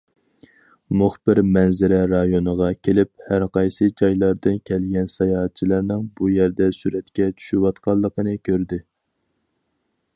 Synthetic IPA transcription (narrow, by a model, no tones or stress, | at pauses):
muχbɪɾmɛnzɪɾɛɾɑjonəʁɑkʲʰelɪp̚hæɾqɑjsɨd͡ʒɑjlˠɑɾd̪ɨnkʲʰɛlɡʲɛnsɑjɑɦɑt̪̚t͡ʃʰilˠæɾnɨŋbujæɾd̪ɛsyɾɛt̪kʲɛt͡ʃʰy̥ʃywɑt̪qʰɑlˠːəqənɨkʲʰøɾd̪ɪ